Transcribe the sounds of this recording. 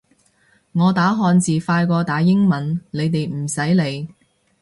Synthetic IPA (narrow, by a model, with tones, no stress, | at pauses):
ŋɔː˨˧t̪aː˨˥ɦɔː˧nt͡siː˨faː˧jkɔː˧t̪aː˨˧˥jɪ˥ŋmɐ˨˥nle˨˧jt̪e˨jm̩˨˩sɐ˨˥jle˨˧j